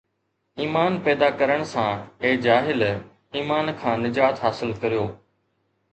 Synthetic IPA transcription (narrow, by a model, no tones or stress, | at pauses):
iːmaːnpɛːd̪aːkəɾəɽ̃sãːeːd͡ʒaːɦɪl | iːmaːnkʰãːnɪd͡ʒaːt̪ɦaːsɪlkəɾijoː